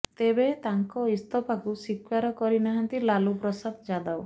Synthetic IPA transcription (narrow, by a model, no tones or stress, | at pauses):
t̪ebet̪aŋkɔist̪ɔpakusikwaɾɔkɔɾinaɦant̪ilalupɾɔsad̪d͡ʒad̪aw